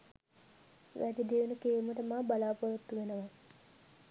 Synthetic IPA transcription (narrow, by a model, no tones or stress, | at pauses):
ʋʔæd̪id̪eʋunukeːmuʈəmaːbalaːpoʋot̪ːuʋenəʋa